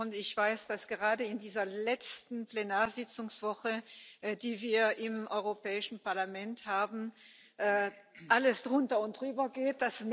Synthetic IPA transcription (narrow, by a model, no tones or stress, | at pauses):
ʊntɪçv̥aɪsd̥asɡ̥əʁaːdəɪndiːzɐlɛt͡stn̩plenaːɐzɪt͡sʊŋsv̥ɔχədiːviːɐʔɪmʔɔʏʁopɛːɪʃn̩paɐlamɛnthaːbn̩ | ʔːʔaləsd̥ʁʊntɐʊntd̥ʁyːbɐɡeːt̚d̥asm